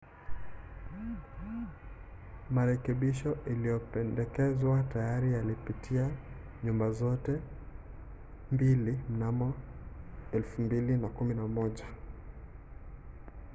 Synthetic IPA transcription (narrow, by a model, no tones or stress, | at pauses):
maɾɛkɛɓiʃɔʔilijɔpɛndɛkɛzwatajaɾijalipitʰia | ɲumbazɔtɛ | mbilim̩namɔ | ɛlfumbilinakuminamɔʄa